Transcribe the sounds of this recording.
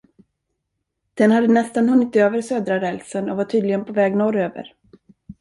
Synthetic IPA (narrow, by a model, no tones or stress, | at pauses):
d̪̥ɛnhad̪ːənɛst̪anhɵnːɪt̪øːvəɾsøːd̪ɾaɾɛlsənɔvaʈʰyːd̪lɪɡənpʰɔvɛːɡnɔɾøːvə̰ɾ